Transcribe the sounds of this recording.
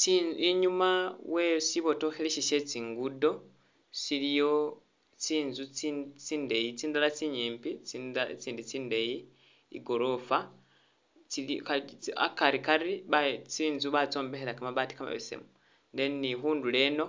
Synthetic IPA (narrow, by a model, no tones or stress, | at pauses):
t͡siiɲumawe̞siβo̞to̞xeleʃiʃet͡siːŋɡudo̞ | silijo̞ | t͡siːnzut͡sit͡siːndejit͡siːndalat͡siɲiːmpit͡st͡siːndit͡siːndeji | ḭɡo̞ɾo̞fa | t͡silkaa̰kaɾikaɾiβat͡siːnzuβat͡so̞ːmbeheɾakamaβati̥kama̰βesḛmu | nde̞nixuːnduleno̞